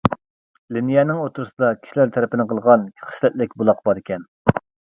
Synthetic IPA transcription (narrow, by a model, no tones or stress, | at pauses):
linijɛnɪŋot̪ʰuɾɨsɨd̪ɑkʲʰi̥ʃilæɾt̪ʰæɾɪpɪnɪqʰəlˠʁɑnkʲʰχʰə̥ʃlɛt̪̚lɪk̚ʲbulˠɑqbɑɾekʲʰɛn